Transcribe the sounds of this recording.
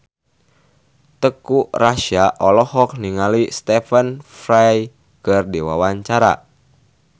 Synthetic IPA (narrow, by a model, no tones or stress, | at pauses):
t̪əkuraʃiaʔɔlɔhɔk̚niŋalist̪ɛfənfɾaj | kɨrdiwa̰waɲt͡ʃaɾa̰